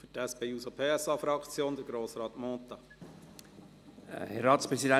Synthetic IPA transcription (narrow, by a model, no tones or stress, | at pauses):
fʏtɛspeːusopʰeːɛsɑːfɾɑkt͡sjoːnd̪əɾɡɾoːsɾɑːt̪mɔːt̪ɑ | hɛɾɑːtspɾɛsidɛ